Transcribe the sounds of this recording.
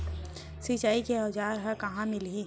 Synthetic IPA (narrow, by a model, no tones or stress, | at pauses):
sit͡ʃaːikeɔd͡ʒaːɾɦɐkɐɦãmɪlɦiː